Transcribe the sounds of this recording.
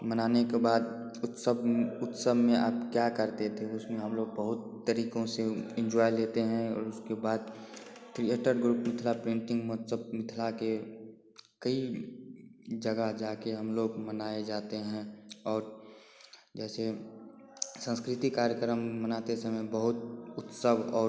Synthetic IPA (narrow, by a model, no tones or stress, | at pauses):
mənaːnekebaːd̪ | ʊsəbʊt̪səbʱmẽʔa̰ːpkjakəɾt̪et̪ʰeʊsmẽɦəmloːɡ̚bəɦʊt̪ːəɾiːkõseɪ̃nd͡ʒɔːjleːt̪eɦɛ̃ɔːɾʊskebaːd̪ | kʰɾieʈəɾɡɾuːpmɪt̪ʰlapɾɪ̃ɳʈɪ̃ŋɡmɔːt̪səb̚mɪt̪ʰlake | kəi | d͡ʒəɡaɦd͡ʒaːkeɦəmloːɡmənaːed͡ʒaːt̪eɦɛ̃ɔːɾ | d͡ʒɛːse | sə̃nskɾɪt̪ikaːɾjəkɾəmːənaːt̪esɐmebəɦʊt̪ʊt̪səbɔː